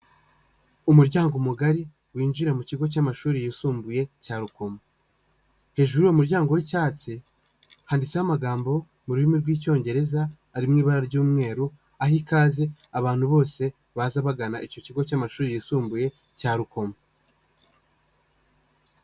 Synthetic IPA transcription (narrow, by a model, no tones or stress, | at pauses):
umuɾɟaːŋɡomuɡaɾi | wiːnd͡ʒiɾamuciɡo̞c̬amaʃuːɾijisuːmbuje̞caːɾuko̞ma | he̞ʒuɾujomuɾɟaːŋɡo̞wicaːt͡si | haːndit͡sehamaɡaːmbo̞ | muɾuɾimiɾɡwiːco̞ːɲɟe̞ɾe̞zaː | ɾimŋiːβaɾaɾɟuːmŋe̞ːɾu | ahikaːze | aβaːn̥huβo̞ːse̞ | βazaβaɡanaʔico̞ciɡo̞camaʃuːɾijisuːmbuje̞ | caːɾuko̞ma